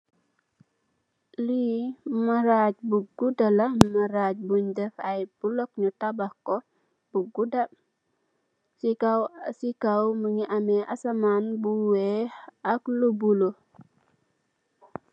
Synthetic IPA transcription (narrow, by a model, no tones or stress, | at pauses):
limaɾac̚buɡudalɐmaɾaːc̚buɲdɛfɐjb̥ulɔkɲutabahko | b̥uɡuda | sikawsikawməŋiʔamɛʔasamaːnbuwehɐklubulo